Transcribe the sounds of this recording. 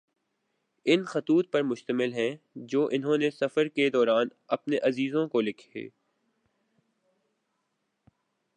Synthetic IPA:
ɪnxɐt̪uːt̪̚pɐɾmʊʃt̪əmɪlɦɛ̃ | d͡ʒoːʔɪnɦõːnesɐfəɾked̪ɔːɾaːnɐpneʔɐziːzõkolɪkʰḛː

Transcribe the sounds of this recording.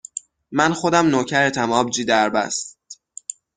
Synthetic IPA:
mænxo̞d̪æmnoːcʰæɾet̪ʰæmɒːb̚d͡ʒiːd̪æɾbæ̰st̪

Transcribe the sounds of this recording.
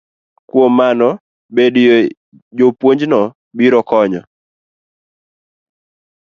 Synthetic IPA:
kwomːanɔ | bedjo | jopwoɲd͡ʒnɔ | biɾɔkɔɲɔ

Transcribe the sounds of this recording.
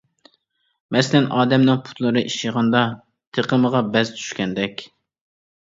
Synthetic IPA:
mɛsɪlɛnɑːd̪ɛmnɪŋpʰu̥t̪lˠɨɾɨʔiʃiʁɑnd̪ɑ | t̪ʰeqəməʁɑbɛzt̪ʰy̥ʃkʲɛnd̪ɛkʲ

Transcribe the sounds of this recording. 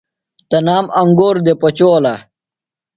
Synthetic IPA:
t̪ɐnaːmɐŋɡoːɾd̪epot͡ɕoːla

